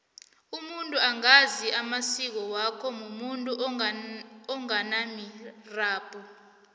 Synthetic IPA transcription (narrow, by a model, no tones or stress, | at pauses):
umuntʼuaŋaziʔamasik̬ɔwakʰɔmumuntʼu | ɔŋanamiraːb̥ʱʼɔ